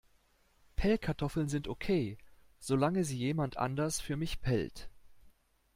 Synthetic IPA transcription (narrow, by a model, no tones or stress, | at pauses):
pʰɛlkʰaɐtʰɔfl̩nzɪntʔokʰeː | z̥olaŋəziːjeːmantʔa̰ndɐsfyːɐmɪçpʰɛ̰lt